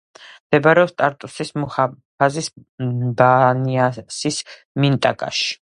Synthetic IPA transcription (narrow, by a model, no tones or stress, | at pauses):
md̪̥ɛbaɾɛɔpst̪ʼaɾt̪ʼusismua | pʰazisbaniasis | mint̪ʼakʼa̰ʃi̥